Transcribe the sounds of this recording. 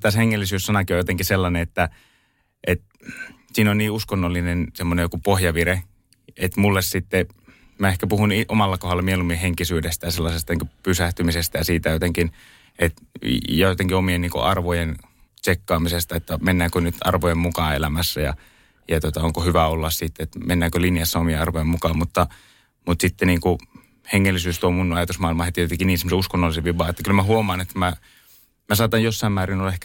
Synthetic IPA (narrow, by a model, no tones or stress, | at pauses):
t̪æsheŋːelːisyːssɑnɑkiojot̪eŋkiselːɑneet̪ːæ | ʔet̪ | siːnonniːuskonːolːinensemːonejokupohjɑʋire | et̪mulːessit̪ːe | mæehkæpuhuniʔomɑlːɑkohɑlːɑmielumieheŋkisyːdest̪æjɑselːɑsest̪ɑniːŋkupysæht̪ymisest̪æjɑsiːt̪æjot̪eŋkin | et̪jɑjot̪eŋkiomienniːŋko̰ʔɑrʋojen | t͡ʃekːɑːmisest̪ɑet̪ːæmenːæːkønyt̪ɑ̰rʋojemmukɑːḛlæmæsːæjɑ̰ | jɑt̪ot̪ɑoŋkohyʋæolːɑssiˑt̪ːeet̪menːæːkølinjɑsːɑomijeɑrʋojemukɑːmmut̪ːɑ | mut̪sit̪ːeniːŋku | heŋːelːisyːst̪uomunɑjɑt̪usmɑˑilmɑhet̪ijot̪eŋkiniːsemːoseuskonːolːˑiseʋiʋɑːet̪ːækylmæhuomɑːnet̪ːæmæ | mæsɑːt̪ɑjjosːɑˑimmæːrinolːɑehkæ